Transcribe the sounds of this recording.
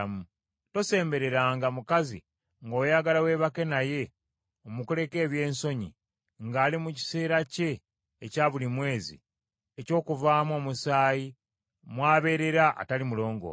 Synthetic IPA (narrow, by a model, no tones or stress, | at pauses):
mu | to̞se̞ːmbe̞ɾe̞ɾaːŋɡamukazḭ | ŋɡo̞ːjaɡalawe̞βake̞naje̞ | omukule̞ke̞ːβje̞ːnso̞ɲḭ | ŋɡaːlimuci̥se̞ːɾace̞ː | caːβulimwe̞ːzḭ | eco̞ːkuvaːmo̞ːmusaːji | mwaːβe̞ɾe̞ɾaʔa̰talimulo̞ːŋɡo̞̰